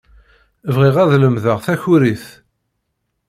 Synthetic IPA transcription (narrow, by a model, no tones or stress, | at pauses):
vʁiʁæðləmðəʁθæçʊɾiθ